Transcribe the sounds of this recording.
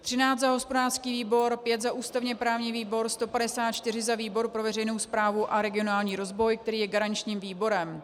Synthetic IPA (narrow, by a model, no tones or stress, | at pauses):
t̪r̝̥ɪnaːtt͡s̪zaɦo̞spo̞daːrskiːviːbo̞ɾpjɛt̪zaʔuːst̪avɲɛpɾaːvɲiːviːbo̞ɾst̪o̞padɛsaːt̪̚t͡ʃt̪ɪr̝ɪzaviːbo̞ɾpɾovɛrɛjno̞wspɾaːvuʔaɾɛɡɪo̞naːlɲiːɾo̞zvo̞jkt̪ɛɾiːjɛɡaɾaɲt͡ʃɲiːmviːbo̞ɾɛm